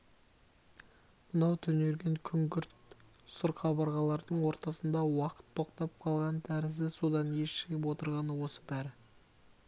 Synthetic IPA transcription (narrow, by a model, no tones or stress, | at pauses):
mənɑwt̪ʰɵne̞ɾɡʲe̞ŋkʲʰʏŋkʲʏɾt̪ | sʊɾχɑbɑɾʁɑlˠɑɾd̪əɴwo̞ɾt̪ɑsənd̪ɑwɑqə̥t̪ʰːo̞qt̪ɑp̚qʰɑlˠʁɑnt̪ʰæɾɪzɪsud̪ɑnje̞ʃɪɡʲəpwot̪əɾʁɑnəwo̞səbæɾɪ